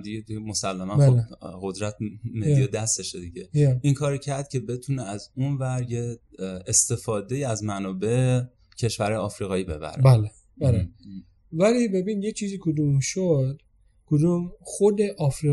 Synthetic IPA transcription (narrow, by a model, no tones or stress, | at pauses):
d̪iɟed̪iemo̞sælːæmænobɢo̞d̪ɾæt̪ʰmed̪ijed̪æst̪eʃed̪iɟeinkʰɒːɾicʰæɾd̪̥̚cʰe̞be̞t̪ʰuneæzunvæɾjeest̪e̞fɒːd̪e̞iæzmænɒːbe̞ʔe | cʰe̞ʃvæɾɒːjɒːfɾiːɣɒːiːbe̞bæ̰ɾebæle | bæle | vælibe̞biːnjet͡ʃʰiːziːkʰod̪umʃod̪ | kʰod̪umxod̪eʔɒfɾi